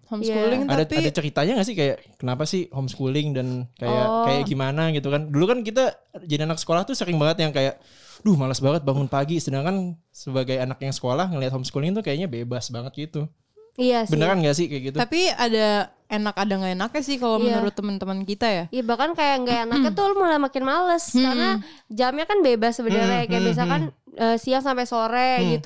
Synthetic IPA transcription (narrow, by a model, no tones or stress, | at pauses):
hɔmskkulɪŋadaadat͡ʃəɾit̪aɲaŋas̬ɪhkajaʔkənapasɪhhɔmsə̥kulɪŋdankajakajaʔɡimanaɡit̪ukandulukankit̪̬ad͡ʒadianaksə̥kolaht̪usəɾɪŋbaŋət̪jaŋkajaʔ | dʊhmalasbaŋət̪̚baŋʊnpaɡisəənaŋkan | səbaɡajanakjaŋsə̥kolahŋəliat̪̚hɔmsə̥kulɪŋt̪ukajaʔɲabebasbaŋət̪̚ɡit̪u | ijabənərkanɡaʔsɪhkjaɡit̪ut̪apiada | enakadaŋɡaenakɲasɪhkalomənuɾʊt̪ːəmənt̪əmənkit̪ajajabahkankajaŋɡaanakɲat̪ulmalamakɪnmaləskarna | d͡ʒamɲakanbebasːəbənərakajabias̬akan | əːsiaŋsampajsoɾeɡit̪u